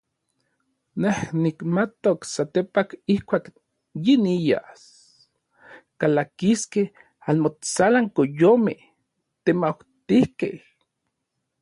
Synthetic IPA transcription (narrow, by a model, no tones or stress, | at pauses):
nehnikmat̪oksat̪epakihkʷaːk | jinija̰s | kalakiskeh | anmot͡salaŋkojomḛh | t̪emawt̪ihkḛh